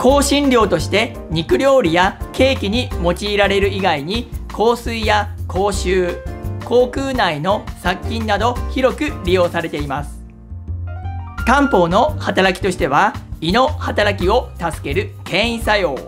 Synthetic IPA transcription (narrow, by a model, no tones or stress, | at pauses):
kʰo̞ːɕĩnɾʲo̞ːt̪o̞ɕi̥t̪e̞ | ɲ̟ikɯ̟ɾʲo̞ːɾʲijake̞ːkʲiɲ̟imo̞t͡ɕiːɾaɾe̞ɾɯ̟iɡaiɲ̟ikʰo̞ːsɨijakʰo̞ːɕɨːko̞ːkɯːnaino̞sakʲːĩnːad̪o̞çiɾo̞kɯ̟ɾʲijo̞ːsaɾe̞t̪e̞imasɨ̥ | kãmpo̞ːno̞hat̪aɾakʲi̥t̪o̞ɕi̥t̪e̞βaino̞hat̪aɾakʲio̞t̪asɨ̥ke̞ɾɯ̟kẽ̞ɰ̃ĩsajo̞ː